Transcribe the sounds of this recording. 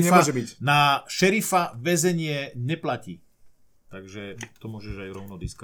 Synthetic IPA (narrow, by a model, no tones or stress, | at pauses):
ɲɛaɔʒɛbicnaʃɛɾifaʋɛzɛɲɪɛɲɛplacḭː | t̪aɡʒɛt̪ɔmʊɔʒɛʒajɾɔʊnɔd̪iːska